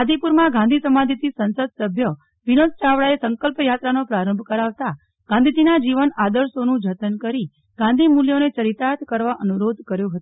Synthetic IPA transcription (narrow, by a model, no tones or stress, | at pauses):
ad̪ipuɾmãɡãnd̪ʱisəmad̪ʱit̪isənsəd̪̚səbʱjə | ʋinod̪t͡ʃaʋɽaesəŋkəlpjat̪ɾanopɾaɾəmbʱkəɾaʋt̪a | ɡ̥ʱãnd̪ʱid͡ʒinad͡ʒiʋənad̪əɾʃonũd͡ʒʱət̪ənkəɾi | ɡ̥ãnd̪ʱimuljonet͡ʃəɾit̪at̪kəɾʋaʔənuɾod̪ʱkəɾjoɦət̪o